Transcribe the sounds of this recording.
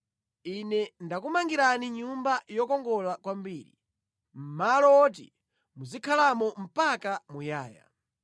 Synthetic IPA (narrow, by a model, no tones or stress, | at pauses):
inɛndakumaŋɡiɾaniɲumbajɔkɔŋɡɔlakwambiːɾḭ | m̩malɔɔɔt̬ḭ | muzikʰalamɔm̩pakamujaːja̰